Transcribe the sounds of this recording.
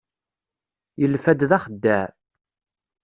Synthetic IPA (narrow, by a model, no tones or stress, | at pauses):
jəlfæd̪ðæχəd̪ːæʕ